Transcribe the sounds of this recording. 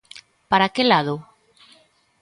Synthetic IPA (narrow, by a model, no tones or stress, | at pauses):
paɾakelaðo